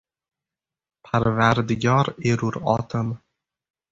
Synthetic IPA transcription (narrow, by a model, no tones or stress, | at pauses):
pʰaɾvaɾd̪ɪɡʲɒɾeɾuɾɒt̪ʰɨm